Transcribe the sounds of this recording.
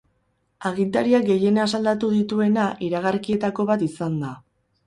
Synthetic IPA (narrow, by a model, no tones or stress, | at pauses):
aɣint̪aɾiaɡe̞je̞nasald̪at̪uðit̪ue̞naʔiɾaɣaɾkie̞t̪ako̞βat̪isand̪a